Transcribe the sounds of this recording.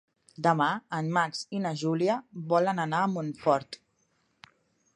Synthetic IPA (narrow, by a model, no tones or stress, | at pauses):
d̪əmaənːaksinəʒuliəβɔlənənaːmunfɔɾt̪